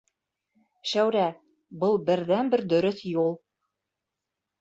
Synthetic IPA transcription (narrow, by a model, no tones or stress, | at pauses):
ʃæwɾæ | bɤlˠbɘ̆ɾðænbɘɾd̪ɵ̆ɾɵθjulˠ